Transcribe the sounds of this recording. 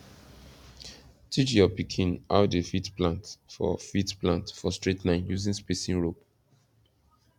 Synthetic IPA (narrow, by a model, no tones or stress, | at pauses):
tʰit͡ʃjɔpikʰĩna̰ʊdefitplãntfɔ̰fitplãntfɔstɹetnãɪ̃mjuzĩŋspesĩŋɹop̚